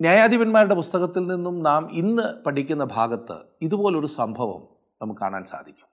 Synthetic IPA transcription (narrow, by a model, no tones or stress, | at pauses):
njaːjaːd̪ʱibɐnmaːɾuɽe̞pust̪ɐɣɐt̪ːilninːumnaːminːɨpɐʈʰikʲːunːɐbʱaːɡɐt̪ːɨ̰ | iðubo̞ːleo̞ɾusɐmbʱɐʋɐ̰m | nɐmukɨkːa̰ːɳa̰ːnsa̰ːd̪ʱikʲːu̥m